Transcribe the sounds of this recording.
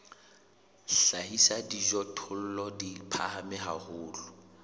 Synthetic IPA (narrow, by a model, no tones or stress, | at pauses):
ɬahisadid͡ʒɔtʰʊl̩lɔdipʰahamɪɦahʊːlʊ